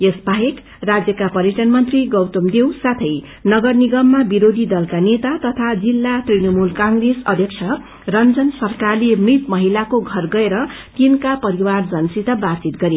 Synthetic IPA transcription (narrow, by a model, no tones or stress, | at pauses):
esbʱaɦek | rad͡zjʌkapʌɾjʌʈʌnmʌnt̪riɡʌwt̪umd̪ewsat̪ʰʌj | nʌɡʌrniɡʌmːabiɾod̪ʱid̪ʌlkanet̪at̪ʌt̪ʰad͡zilːat̪rinʌmulkãŋɡresʌ̰d̪ʱjʌk̚t͡sʰʌ | rʌnd͡zʌnsʌrkarlemrit̪mʌɦilakoɡʱʌrɡʌeɾʌ | t̪inkapʌɾiward͡zʌnsit̪ʌbat͡sit̪̚ɡʌɾi